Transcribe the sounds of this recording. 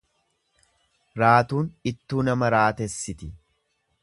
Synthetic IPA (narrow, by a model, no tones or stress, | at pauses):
ɾaːt̪uːnɪt̪ːuːnɐmɐɾaːt̪ɛsːɪt̪ɪ